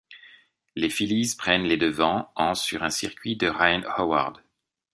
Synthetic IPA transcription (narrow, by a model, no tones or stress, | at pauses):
lefilizpχɛnled̪əvɑ̃ɑ̃syʁɛ̃siʁkʲɥid̪əʁajnhɔwa̰ʁd̪